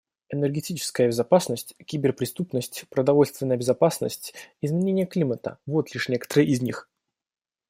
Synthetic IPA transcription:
ɛnərɡʲɪtʲit͡ɕɪ̥skəjəbʲɪzɐpasnəsʲtʲkʲibʲɪrpɾʲɪst̪upnəsʲtʲpɾəd̪ɐvo̞lʲst̪vʲɪnəjəbʲɪzapasnə̰sʲtʲɪzmʲɪnʲenʲɪjəklʲimət̪ə̰vo̞t̪lʲiʂnʲe̞kə̥t̪əɾəjʔɪzʲnʲix

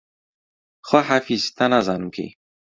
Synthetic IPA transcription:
xwaħafizt̪anazanukḭ

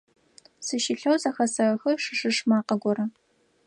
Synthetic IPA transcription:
sɨʃiɬɐwzɐxɐsɐɐxɨʂɨʂɨʂmaːqɐɡʷɔɾɐ

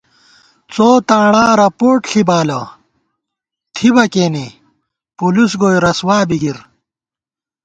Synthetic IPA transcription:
t͡soːt̪aːɳaːɾɐpoːʈɬibaːlɐ | t̪ʰibɐkeːni | pulusɡoːjɾɐswaːbiɡiɾ

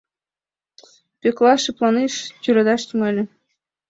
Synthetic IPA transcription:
pʲeklˠɑʃɯplˠɑneʃtʲyɾɑd̪ɑʃt̪ʲymɑlʲɘ̆

